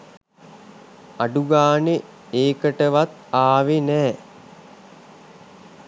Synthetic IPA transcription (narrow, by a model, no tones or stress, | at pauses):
aɖuɡaːne | eːkəʈəʋat̪aːʋenɛː